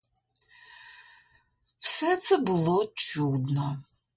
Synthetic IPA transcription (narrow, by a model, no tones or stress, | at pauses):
wsɛt̪sɛbɨlˠɔt͡ʃʰud̪nɔ